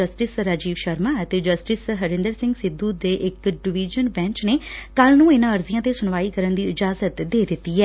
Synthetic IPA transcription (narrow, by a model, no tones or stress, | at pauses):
əsʈɪsɾaːd͡ʒiːʋʃəɾmãːət̪eːd͡ʒəsʈɪsɦəɾɪ̃nd̪əɾsɪ̃ŋɡsɪd̪uːd̪eːʔɪkɖɪʋiːd͡ʒənbɛ̃ːɲt͡ʃneːkəlnũːɪnãːəɾzɪjãːt̪eːsʊnʋaːiːkəɾənd̪iːɪd͡ʒaːzət̪d̪eːd̪ɪt̪ːiːɛː